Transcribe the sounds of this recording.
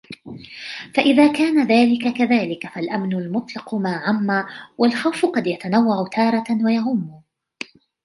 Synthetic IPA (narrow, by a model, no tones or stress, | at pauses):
faʔɪðaːkaːnaðaːlɪkakaðaːlɪkafalʔamnʊlmʊt̪ˤlɑqʊmaːʕamːaːwalxawfʊqɑd̪jat̪anawːaʕʊt̪ʰɑːɾˤɑwajaʕʊmːʊ